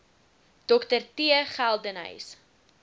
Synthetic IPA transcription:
d̥ɔktərtiəχælˠdənə̰js

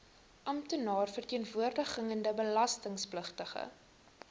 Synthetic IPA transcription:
ʔɐmtənɑːrfərtiənvuərdəχəŋəndəbəlɐstəŋspləχtəχə̰

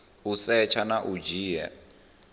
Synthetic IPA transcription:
usɛt͡ʃʰanaʔud͡ʒiːjɛ̰

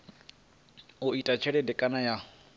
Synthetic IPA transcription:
ʊitʼat͡ʃʰɛɺɛdɛkʼanaja

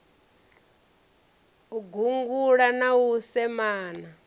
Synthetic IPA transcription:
uɡʱuŋɡuɺanawusɛmaːna

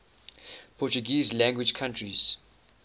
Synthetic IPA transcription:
pʰɔt͡ʃuɡiːzlæ̃ŋɡwid͡ʒkʰãntʰɹiz̥

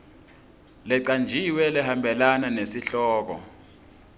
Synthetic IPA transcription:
lɛǀand͡ʒʱiwɛlɛhambʱɛlananesiɬɔːk̬ɔ̰

